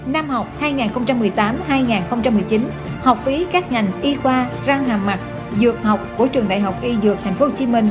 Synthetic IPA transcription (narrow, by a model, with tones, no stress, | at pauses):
naː˧mha˨˩wk͡p̚haː˧jŋaː˨˩nxə˧wŋ͡mt͡ɕa˧mːɨ˨˩əjt̪aː˨˦mhaː˧jŋaː˨˩nxə˧wŋ͡mt͡ɕa˧mːɨ˨˩əjt͡ɕi˨˦n | hɔ˨˩wk͡p̚fi˨˦kaː˦˥k̚ŋa˨˩jŋ̟ʔi˧kwaː˧ | zaː˧ŋlaː˨˩mːa˨˩t̚ | zɨ˨˩ək̚ha˨˩wk͡p̚ku˧˩ət͡ɕɨ˨˩əŋɗa̰ː˧˨jɦa˨˩wk͡p̚ʔi˧zɨ˨˩ək̚t̪ʰjŋ̟fo˦ho˧˩t͡ɕi˨˦mï˧ŋ̟